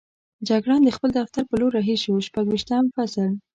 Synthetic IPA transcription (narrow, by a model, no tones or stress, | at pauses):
d͡ʒaɡɽɑnd̪əxpəld̪aft̪aɾpəloɾːaɦiʃowʃpaɡwiʃt̪amfasəl